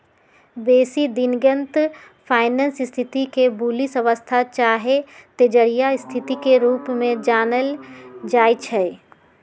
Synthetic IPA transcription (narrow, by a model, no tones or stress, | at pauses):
beːsid̪ɪnɡə̃nt̪ | pʰaːɪnə̃nsɪst̪ʰɪt̪ikebulisɐʋəst̪ʰat͡ʃaːɦet̪ed͡ʒəɾijaɪst̪ʰɪt̪ikeɾuːpmẽd͡ʒaːnəld͡ʒaːit͡ʃʰɛ